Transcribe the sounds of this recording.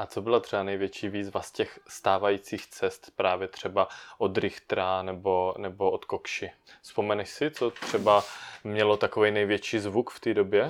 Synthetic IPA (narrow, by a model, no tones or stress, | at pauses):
ʔat͡so̞bɪlat̪r̥ɛbanɛjvjɛt͡ʃiːviːzvascɛxst̪aːvajiːt͡siːxt͡sɛst̪pɾaːvjɛt̪r̝̥ɛbaʔo̞d̪ɾɪxt̪ɾanɛbo̞nɛbo̞ʔot̪kokʃɪspo̞mɛnɛʃsɪt͡so̞t̪r̥ɛbamɲɛlo̞t̪akovɛjnɛjvjɛt͡ʃiːzvukft̪iːdobjɛ